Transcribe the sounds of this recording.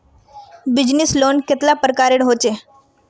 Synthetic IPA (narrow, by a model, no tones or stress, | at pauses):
bid͡ʑnislonket̪lapɾəkaɾeɽɦot͡ɕe